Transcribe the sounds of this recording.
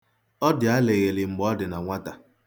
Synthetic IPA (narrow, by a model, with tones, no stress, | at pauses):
ɔ˦dɪ˨a˦le˨ɣe˨lɪ˨ŋ͡m̩˨ɡ͡bɔ˦dɪ˨na˨ŋʷa˦ta˨